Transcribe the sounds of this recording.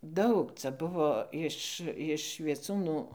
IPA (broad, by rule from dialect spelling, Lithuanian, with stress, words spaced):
ˈdɐʊk ˈt͡sʲɛ ˈbʊʋoː ɪʃ ɪʃ ʋʲiɛˈt͡suːnuː